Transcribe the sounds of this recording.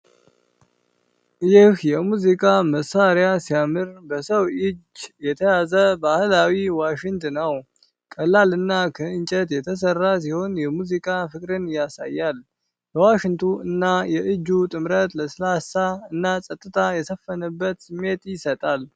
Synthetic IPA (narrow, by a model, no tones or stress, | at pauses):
jɪhjɛmuzikʼaməsːaɾjasijamɨɾbəsəwɪd͡ʒjɛt̪ʰəjazəbahɨlawiwaʃɪŋt̪ʰɨnəw | kʼəlːalɨnːakʰəɨnt͡ʃʼət̪jɛt̪ʰəs̬ərːas̬iho̞njɛmuzikʼafɨkʼɾɨnjasa̰jːal | bəwaʃɪnt̪ʰuɨnːajɛʔɨd͡ʒːut̪ʼɨmɾət̪ləsɨlasaɨnːasʼət̪ʼːɨt̪ʰajɛsəfːənəbːət̪sɨmːe̞t̪jɪsət̪ʼal